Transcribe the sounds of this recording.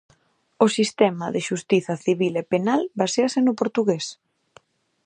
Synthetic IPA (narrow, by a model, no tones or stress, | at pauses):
ʊsist̪ɛmɐðɪʃust̪iθɐθiβilepenalbaseɐsɪnʊpoɾt̪uɣes